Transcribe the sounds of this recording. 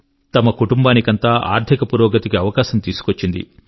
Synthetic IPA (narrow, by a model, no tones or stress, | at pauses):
t̪ɐmɐkuʈumbaːnikɐnt̪aːʔa̰ːɾd̪ʱikɐpuɾɔːɡɐt̪ikiɐʋɐkaːʃɐmt̪iːsu̥kʋot͡ʃːind̪ḭ